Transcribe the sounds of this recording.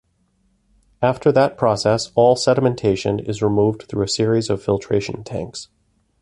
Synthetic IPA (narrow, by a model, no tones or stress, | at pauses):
æftʰə˞ðət̚pʰɹ̥ɔsɛsɔlˠsɛɾəmɨ̃ntʰeɪʃɨ̰̃nɪ̰zɹimuvd̚θɹuɨsɪɹizʌv̥fɪlˠtʰɹ̥eɪʃɨ̃n̩tʰæ̰̃ŋks